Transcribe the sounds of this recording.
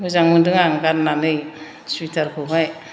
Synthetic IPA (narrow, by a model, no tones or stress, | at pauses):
uzaŋmɯndɯŋaŋɡanːanɯj | suitʰaɾkʰɯbaj